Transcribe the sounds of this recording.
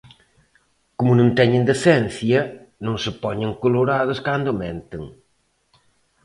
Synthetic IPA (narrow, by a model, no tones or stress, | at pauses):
kʊmʊnũnt̪ɛɲɪnd̪eθɛnθjɐ | nõŋsɪpɔɲeŋkoloɾaðʊskand̪ʊmɛ̃nt̪ɪŋ